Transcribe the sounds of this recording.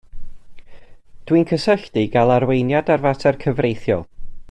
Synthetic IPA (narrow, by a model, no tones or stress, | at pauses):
d̥wiːnkʰəsəɬd̥iɡalˠarwejnjadarvatʰɛrkʰəvrejθjɔ̰lˠ